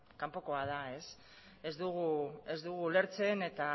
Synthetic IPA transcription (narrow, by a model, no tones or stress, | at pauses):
kampo̞ko̞að̞ae̞s | e̞zd̪uɣ̞ue̞zd̪uɣ̞ule̞ɾt͡se̞ne̞t̪a